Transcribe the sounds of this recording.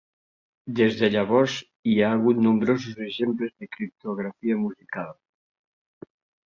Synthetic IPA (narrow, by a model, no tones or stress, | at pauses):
d̪ezðeaʎaβɔs | iaːlɣunːũmbɾos̬useʃemplezðekɾip̚t̪oɣ̞ɾafiamusikal